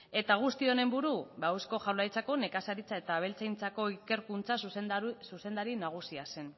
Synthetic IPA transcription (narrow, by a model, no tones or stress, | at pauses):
e̞t̪aɣ̞ust̪io̞ne̞mbuɾubawsko̞ʝawlajt͡sako̞ne̞kasaɾit͡sae̞t̪aːβ̞e̞lt͡sajnt͡sako̞ike̞ɾkunt͡sassuse̞nd̪aɾinaɣ̞usiase̞n